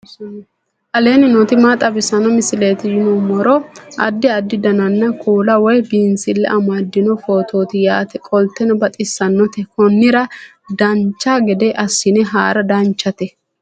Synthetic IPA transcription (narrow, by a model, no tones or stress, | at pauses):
ʔɐle̞ːnɪnot̪ɪmaːt̪ʼɐbɪsɐnɔmɪsɪleːt̪ɪjɪnɔmɔɾɔʔɐ̰d̪ːɪɐd̪ːɪd̪ɐnɐnːɐkʰuːlɐwɔjbiːnsɪlːɛ̰ʔɐmaːd̪ːɪnɔfoːt̪ʰoːt̪ɪjaːt̪ɛkʼɔlt̪ɛnɔbɐt̪ʼɪsːɐnːɔt̪ɛkɔnːɪɾɐ | d̪ɐnt͡ʃːaːɡɛd̪ɛʔɐsːɪnɛɦaːɾɐd̪ɐnt͡ʃːɐt̪ɛ